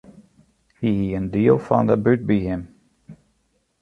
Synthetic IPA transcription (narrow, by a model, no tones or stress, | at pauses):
hiiɨ̃ndiofɑ̰̃nðəbʉt̪̚bihɪ̃m